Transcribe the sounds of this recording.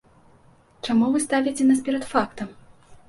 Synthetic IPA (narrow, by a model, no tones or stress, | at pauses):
t͡ʂamuvɨst̪avʲit͡sʲɛnaspʲɛɾɐt̪fakt̪ɐm